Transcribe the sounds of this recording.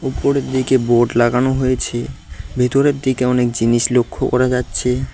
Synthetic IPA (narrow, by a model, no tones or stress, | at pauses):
upːoɾeɾd̪ikeboɾɖlaɡanoɦojet͡ɕʰebʱit̪oɾeɾd̪ikeɔnek̚d͡ʑiniʃlokʰːokɔ̰ɾad͡ʑatːɕʰe